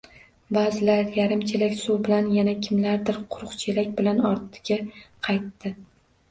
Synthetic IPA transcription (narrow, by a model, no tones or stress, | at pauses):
bazɪlaɾjaɾɪmt͡ʃʰelakʲsuwbɪlanjanakʲʰɪmlaɾd̪ɪɾqʰʊɾʊqt͡ʃʰelakʲbɪlanɒɾt̪ʰɪ̥ɡʲaqʰɑjt̪ːɪ